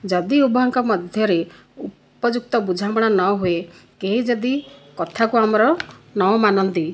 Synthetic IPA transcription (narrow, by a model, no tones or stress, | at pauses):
d͡ʒɔd̪iubɔɦɔŋkɔmɔd̪ʱjɔɾe | u | pɔd͡ʒuk̚t̪ɔbud͡ʒʱamɔɽ̃anɔɦue | keɦid͡ʒɔd̪ikɔt̪ʰakuamɔɾɔnɔɔmanɔnt̪i